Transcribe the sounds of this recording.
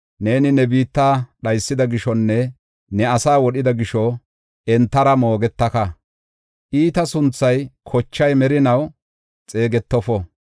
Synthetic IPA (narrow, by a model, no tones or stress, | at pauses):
ne̞ːnɪnɛbiːt̪ːaːɗɐjsːɪd̪ɐɡɪʃɔnːɛ | nɛɐsaːwɔɗɪd̪ɐɡɪʃɔ | ɛnt̪ːɐɾɐmo̞ːɡɛt̪ːɐkɐ | ʔiːt̪ɐsʊnt͡sːɐjkʰɔt͡ʃːɐjmɛɾɪnɐw | t͡sʼe̞ːɡɛt̪ːɔfɔ